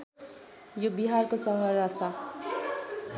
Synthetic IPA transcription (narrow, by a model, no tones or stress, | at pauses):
jobiɦarkosʌɦʌrːasa